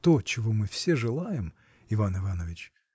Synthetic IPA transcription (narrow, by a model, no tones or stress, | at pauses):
t̪o̞t͡ɕɪvo̞mɨfsʲe̞ʐɨlˠajɪm | ɪvanɨvanəvʲɪt͡ɕ